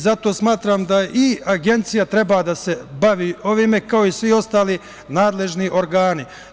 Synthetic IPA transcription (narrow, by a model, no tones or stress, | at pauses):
zat̪o̞ːsmaːt̪ɾaːmd̪aʔiaɡe̞nt̪sijat̪ɾe̞baːd̪ase̞baʋiːo̞ʋiːme̞kao̞isʋio̞st̪aːli | naːd̪le̞ʒniʔo̞ɾɡaːni